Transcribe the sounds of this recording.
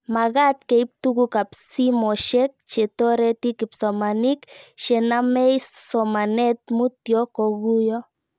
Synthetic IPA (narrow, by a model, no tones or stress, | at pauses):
maɣat̪keip̚t̪uɣukapsimɔʃek̚t͡ʃet̪ɔɾɛt̪ikɪpsɔmanikʃenamɛjsɔmanɛt̪̚mut̪jɔkoɣujɔ